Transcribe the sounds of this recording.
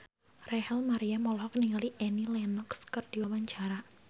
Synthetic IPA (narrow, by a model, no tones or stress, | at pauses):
rɛhɛlmaɾiamɔlɔɦɔkəniŋaliʔɛnilɛnɔkskərd̥iwawaɲt͡ʃaɾa